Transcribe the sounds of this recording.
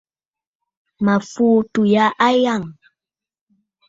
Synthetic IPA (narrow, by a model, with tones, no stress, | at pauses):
ma˨fu˦tu˨ja˨˦ʔa˦ja˦˨ŋ